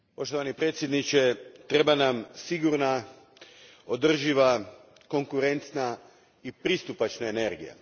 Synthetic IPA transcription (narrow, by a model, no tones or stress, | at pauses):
po̞ʃt̪o̞ʋanipɾet̪sje̞d̪nit͡ʃe̞t̪ɾe̞banamsiɡuɾna | o̞d̪r̩ʒiʋa | ko̞ŋkuɾe̞nt̪na | ipɾist̪upat͡ʃnaene̞ɾɡḭja̰